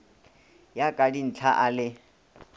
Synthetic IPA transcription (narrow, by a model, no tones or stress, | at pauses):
jakʼadin̩t͡ɬʰaʔalɪ